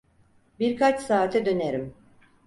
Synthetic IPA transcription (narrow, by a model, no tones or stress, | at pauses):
biɾkʰat͡ʃsaːt̪ʰɛd̪ø̞neɾim